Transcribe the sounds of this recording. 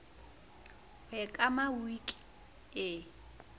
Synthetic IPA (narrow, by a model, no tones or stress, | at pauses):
hwɛkʼamawikʼ | ɪ